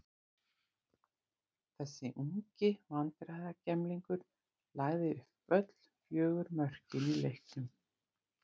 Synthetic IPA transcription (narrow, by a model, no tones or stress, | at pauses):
θɛsːɪʔuŋcɪvant̪ɾajðacɛmliŋkʏɾ̥ | laːɣðɪʏhpœt̪l̥fjœːɣʏɾmœr̥cɪnilehknʏm